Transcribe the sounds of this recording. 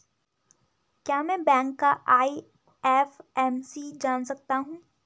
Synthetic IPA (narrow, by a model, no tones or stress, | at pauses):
kjaːmɛ̃ːbɛ̃ːŋkːaʔaːi | ɛːfɛːmsid͡ʒaːnsɐk̚t̪aɦũː